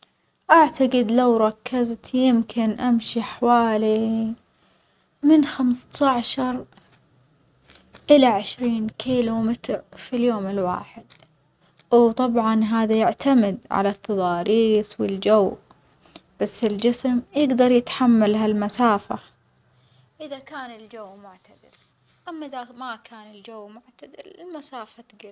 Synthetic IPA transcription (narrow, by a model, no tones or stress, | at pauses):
ʔaʕt̪aɡɪd̪lawɾˤɑkːɪzt̪jɪmkʰɪnʔamʃiħawaːli | mɪnxamst̪aʕʃɑɾˤ | ʔɪlaʕɪʃɾiːnkʰiːlumɪt̪ɾfiljoːmɪlwa̰ːħɪd̪̚ | wt̪ˤɑbʕɑnɦaːðajɪʕt̪ʰamɪd̪ʕa̰lat̪ʰːɑðˤɑːɾiːsˤwɪld͡ʒawː | b̥asːɪld͡ʒɪsmjɪɡd̪ɑɾˤjɪt̪ħamːalɦalmasaːfa | ʔɪðakaːnɪld͡ʒawːmʊʕt̪ad̪ɪ̰l | ʔamːaʔɪðamakʰaːnɪld͡ʒawːmʊʕt̪ad̪ɪlɪlmasaːfat̪ɡɪ